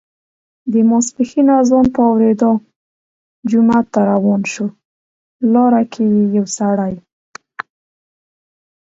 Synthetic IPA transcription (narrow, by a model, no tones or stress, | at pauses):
d̪əmɑspixinazɑnpəawɾed̪o | d͡ʒʊmat̪ːaɾawɑnʃo | lɑɾakʰewijawsaɽaj